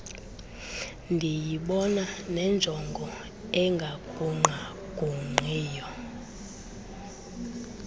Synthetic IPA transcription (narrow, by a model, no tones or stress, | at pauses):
ndʱijiɓɔnanɛnd͡ʒʱɔŋɡʱɔ | ɛŋɡʱakʰuŋ͡ǃʱa | ɡ̥ʱʼuŋ͡ǃʱiːjɔ